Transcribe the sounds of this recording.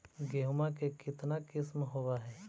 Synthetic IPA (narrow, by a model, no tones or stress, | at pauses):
ɡeɦʊmakekɪt̪nakɪsmɦowaɦɛː